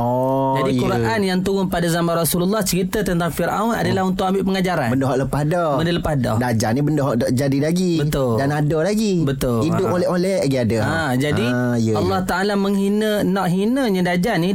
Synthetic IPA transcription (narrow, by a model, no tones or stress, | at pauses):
ɔd͡ʒadikuɾaʔanjaŋt̪uɣʊnpadazamarasululːaht͡ʃəɾit̪ət̪ənt̪aŋfiɾʔa̰una̰dalahɦunt̪ʊʔambɪʔpəŋad͡ʒaɾanbəndɔɦɔʔləpahdɔməndələpahdɔ̰dad͡ʒanibəndɔɦɔʔdɔʔd͡ʒadilaɡibət̪ʊldanadɔlaɡibət̪ʊlidʊpolɛolɛ | ɡiadəa | d͡ʒadi | jəɑlːɑht̪aʔalaməŋɦinə | nɔʔɦinəɲə̃dad͡ʒani